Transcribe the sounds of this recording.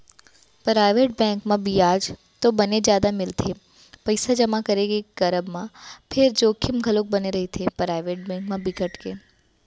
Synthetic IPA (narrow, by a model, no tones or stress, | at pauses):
pɾaːɪʋeːʈ̚bɛ̃ːŋkmãbijaːd͡ʒ | t̪obɐned͡ʒjaːd̪amɪlt̪ʰe | pɐɪsad͡ʒɐmakɐɾeɡeɡɐɾəbmãpʰɪɾd͡ʒoːkʰɪmɡʱɐlok̚bɐneɾɐɦit̪ʰepɾaːɪʋeːʈ̚bɛ̃ːŋkmãbɪkəʈke